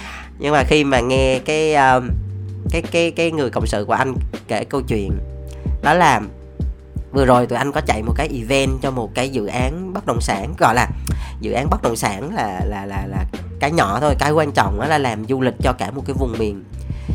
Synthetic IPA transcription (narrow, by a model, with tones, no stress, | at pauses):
ɲɨ˧ŋmaː˨˩xi˧maː˨˩ŋɛ˧kaː˨˦jʔəː˧ | kaː˨˦jkaː˨˦jkaː˨˦jŋɨ˨˩əjkə̰˧˨wŋ͡msɨ̰˧˨ku˧˩əʔa˧jŋ̟ke˧˩kə˧wt͡ɕwḭ˧˨ənɗɔ˨˦laː˨˩ | vɨ˨˩əzo˨˩jt̪u˧˨jʔa˧ŋkɔ˨˦t͡ɕa̰˧˨jmo˨˩kaː˨˦jʔi˧vɛ˧nt͡ɕɔ˧mo˨˩t̚kaː˨˦jzɨ̰˧˨ʔaː˨˦nɓə˦˥t̚ɗə̰˧˩wŋ͡msaː˧˩n˦ɣɔ̰˧˨jlaː˨˩zɨ̰˧˨ʔaː˨˦nɓə˦˥t̚ɗə̰˧˩wŋ͡msaː˧˩nlaː˨˩laː˨˩laː˨˩laː˨˩ | kaː˨˦jɲɔ̰˧˨t̪ʰo˧jkaː˨˦jkwaː˧nt͡ɕɔ̰˧˨wŋ͡mʔɔ˨˦laː˨˩laː˨˩mzu˧lï˨˩k̟̚t͡ɕɔ˧kaː˧˩mo˨˩t̚kaː˨˦jvʊ˨˩ŋ͡mmi˨˩ən